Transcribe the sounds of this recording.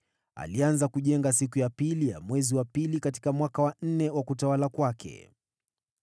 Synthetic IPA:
a̰lianzakuʄɛŋɡas̬ikujapilija̰mwɛziwapilikati̥kamwakawan̩nɛwakutawalakwakʰɛ̰

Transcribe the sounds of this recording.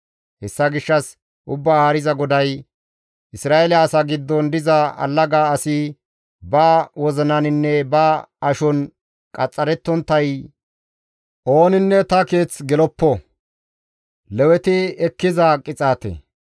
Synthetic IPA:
hɛsːɐɡɪʃːɐs | ʔʊbːaːaːɾɪzɐɡɔd̪ɐj | ʔɪsɾaːelɐːsaɡɪd̪ːɔnd̪ɪzɐɐ̰lːɐɡaːɐsɪ | baːwɔzɐnɐnɪnːɛbaːɐʃɔn | kʼɐt͡sʼːɐɾɛt̪ːɔnt̪ːɐj | ʔo̞ːnɪnːɛt̪ɐke̞ːt͡sɡɛlɔpːɔ | lɛwɛt̪ɪɛkːɪzɐkʼːɪt͡sʼaːt̪ɛ̰

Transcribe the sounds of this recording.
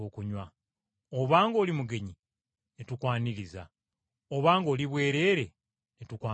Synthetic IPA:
oːkuɲwa | oβaːŋɡo̞ːlimuɡe̞ɲi | netukwaːniɾiza̰ | oβaːŋɡo̞ːliβwe̞ːɾe̞ːɾe̞ | netukwaː

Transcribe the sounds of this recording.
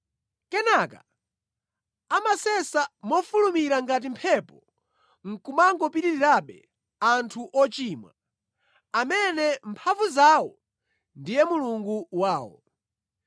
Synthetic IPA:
kɛnaka | amasɛsamɔfulumiɾaŋɡat̬impʰɛpɔ | ŋ̩kumaŋɡɔpiɾiɾiɾaɓɛ | antʰuʔɔt͡ʃiːmwa | amɛnɛmpʰaɱvuzawɔ | ndijɛmuluŋɡuwaːwɔ̰

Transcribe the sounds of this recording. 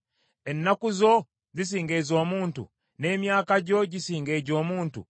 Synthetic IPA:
enːakuzo̞ | zis̬iːŋɡezo̞ːmuːntṵ | ne̞ːmjaːkaɟo̞ɟisiːŋɡeːɟo̞ːmuːntṵ

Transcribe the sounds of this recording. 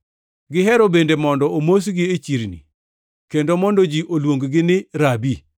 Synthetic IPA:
ɡɪɦɛɾobendemɔndɔomos̬ɡɪet͡ʃiɾnḭ | kendomɔndod͡ʒiʔolwoŋɡɡɪnɪɾabi

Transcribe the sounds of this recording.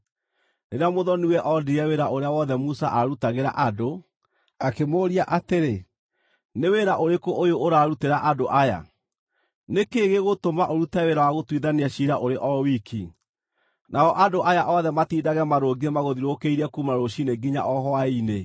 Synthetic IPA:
neɾamoðɔniwɛʔɔdiɾaweɾaʔoɾeawɔðɛmusaʔaɾutaɣeɾa̰ʔado | akemoːɾiaʔateɾe | neweɾaʔoɾekoʔojooɾaːɾuteɾaʔadoʔaja̰ | nekeɣeɣotomaʔoɾutɛweɾawaɣotwiðaniaɕiɾaʔoɾeʔɔwikʰi | naɔʔadoʔajaʔɔðɛmatiːdaɣɛmaɾoɡiemaɣoðiɾokeiɾɛkumaɾoɕineɡiɲa̰ʔɔɦɔaine

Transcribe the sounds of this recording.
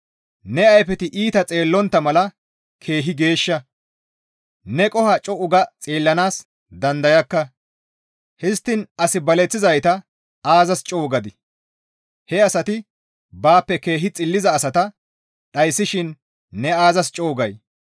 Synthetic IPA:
nɛɐjfɛt̪ɪʔiːt̪ɐt͡sʼe̞ːlːɔnt̪ːɐmɐlɐ | kʰe̞ːɦɪɡe̞ːʃːɐ | nɛkʼɔhɐt͡ʃʼɔʔʊɡɐt͡sʼiːlːɐnaːs | d̪ɐnd̪ɐjɐkːɐ | hɪst̪ːɪnɐsɪbɐlɛt͡sːɪzɐjt̪ɐ | aːzɐst͡ʃʼo̞ːɡɐd̪ɪ | hɛɐsɐt̪ɪ | baːpːɛke̞ːɦɪt͡sʼɪlːɪzɐːsɐt̪ɐ | ɗɐjsːɪʃɪnː | ɛaːzɐst͡ʃʼoːɡɐj

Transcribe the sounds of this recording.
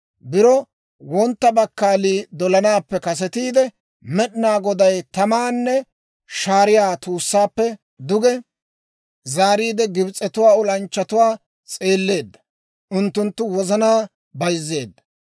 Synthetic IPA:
bɪɾɔ | wɔnt̪ːɐbɐkːaːliːd̪ɔlɐnaːpːɛkɐs̬ɛt̪iːd̪ɛ | mɛɗɪnaːɡɔd̪ɐjt̪ɐmaːnːɛ | ʃaːɾɪjaːt̪uːsːaːpːɛ | d̪ʊɡɛ | zaːɾiːd̪ɛɡɪbɪt͡sʼːɛt̪ʊwaːʊlɐnt͡ʃːɐt̪ʊwaː | t͡sʼe̞ːlːe̞ːd̪ːɐ̥ | ʔʊnt̪ːʊnt̪ːʊwɔzɐnaː | bɐjzːe̞̰ːd̪ːɐ̥

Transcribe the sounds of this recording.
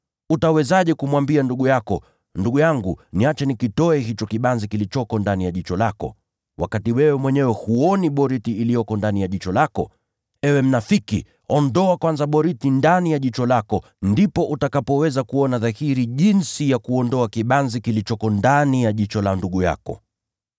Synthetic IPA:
utawɛzaʄɛkumwambianduɠujakɔ | nduɠujaŋɡuniat͡ʃɛnikitɔɛɦit͡ʃɔkiɓanzikilit͡ʃɔkɔndanijaʄit͡ʃɔlakɔ̰ | wa̰katiwɛwɛmwɛɲɛwɛhuɔniɓɔɾitiːlijɔkɔndanijaʄit͡ʃɔlakɔ̰ | ɛwɛm̩nafiki | ɔndɔakwanzaɓɔɾitindanijaʄit͡ʃɔlakɔ | ndipɔʔutakapɔwɛzakuɔnaðahiɾiʄinsijakuɔndɔakiɓanzikilit͡ʃɔkɔndanijaʄit͡ʃɔlanduɠuja̰kɔ̰

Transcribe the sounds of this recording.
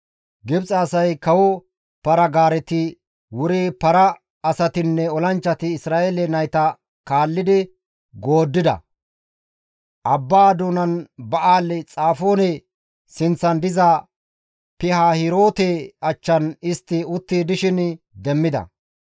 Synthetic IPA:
ɡɪbt͡sʼɐːsɐjkɐwɔ | pɐɾɐɡaːɾɛt̪ɪ | wʊɾeːpɐɾɐː | sɐt̪ɪnːɛɔlɐnt͡ʃːɐt̪ɪːsɾaːʔelɛnɐjt̪ɐ | kaːlːɪd̪ɪ | ɡo̞ːd̪ːɪd̪ɐ̰ | ʔɐbːaːd̪uːnɐnbɐʔaːlːɪt͡sʼaːfo̞ːnɛ | sɪnt͡sːɐnd̪ɪzɐ | pɪhaːhɪɾo̞ːt̪eɐt͡ʃːɐnɪst̪ːɪʊt̪ːiːd̪ɪʃɪn | d̪ɛmːɪd̪ɐ̰

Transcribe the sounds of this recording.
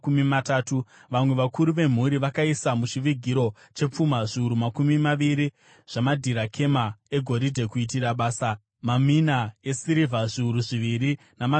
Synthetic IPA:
kumimataːtuʋamwe̞ʋakʰuɾuʋe̞m̤uɾiʋakaisamut͡ʃiʋiɡʱiɾo̞ | t͡ʃe̞p͡fumaʐiuɾumakumimaʋiɾi | ʐ̥amadʱiɾakʰe̞mae̞ɡʱo̞ɾidʱe̞kuit̬iɾaɓaːsa | maminae̞siɾivʱaʐiuɾuʐiʋiɾi | nama

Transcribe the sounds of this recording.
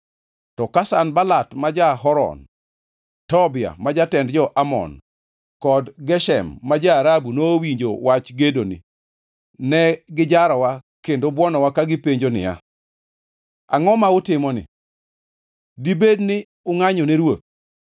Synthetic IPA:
tɔkasanbalatmad͡ʒaɦɔɾɔ̰n | tɔbɪa̰mad͡ʒatɛndd͡ʒɔʔamɔ̰n | kɔdɡɛʃɛmːad͡ʒaːɾabunoːwiɲd͡ʒo̰wat͡ʃɡedonḭ | nɛɡɪd͡ʒaɾɔwakendobwɔnɔwakaɡɪpeɲd͡ʒonɪ̰ja̰ | a̰ŋɔmaʊtɪmɔnɪ̰ | dibednɪ | ʊŋaɲɔneɾwot̪̚

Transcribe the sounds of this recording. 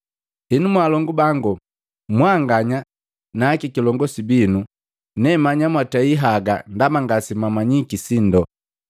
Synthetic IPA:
hinumwaːlɔŋɡubaŋɡu | mwaŋɡaɲa | naːkikilɔŋɡɔsibinu | nɛmaɲamwataiɦaɡa̰ndamaŋɡasimamaɲikisindɔ

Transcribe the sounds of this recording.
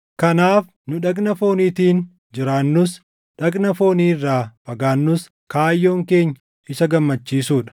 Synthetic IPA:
kɐnaːf | nʊᶑɐkʼnɐfo̞ːniːt̪iːn | d͡ʒɪɾaːnːʊs | ᶑɐkʼnɐfo̞ːniːɪrːaːfɐɡaːnːʊs | kaːjːo̞ːŋke̞ːɲːɐ | ɪsɐɡɐmːɐt͡ʃːiːsuːᶑɐ̥

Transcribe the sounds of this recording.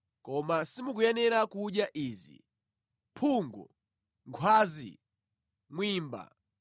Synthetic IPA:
kɔmasimuk̬ujɛnɛɾakuɗjaʔiːzḭ | pʰuːŋɡɔ̰ | ŋkʰwaːzḭ | mwiːmba̰

